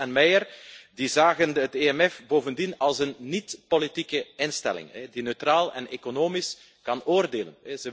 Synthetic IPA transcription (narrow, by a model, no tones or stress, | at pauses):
ɛnmɛjərdizaːɣənɦəteɛmɛfboːvəndinɑlˠsənːitpolitikəɪnstɛ̰lɪ̰ŋɛdinøɥtraːlˠɛnekonoːmis | kɑnoːrdeːlə̰nɛzə